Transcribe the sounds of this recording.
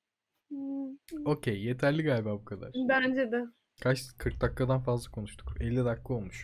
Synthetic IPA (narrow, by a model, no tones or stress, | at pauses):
o̞cʰejje̞t̪ʰæɾlʲiɡaːlʲibaːbukʰad̪a̰ɾbænd͡ʒɛd̪ɛ | kʰat͡ʃkʰɯɾk̚d̪akːad̪anfazlˠakʰo̞nuʃt̪ʰu̥kɛlʲːid̪akːˠɯo̞lˠmuʃ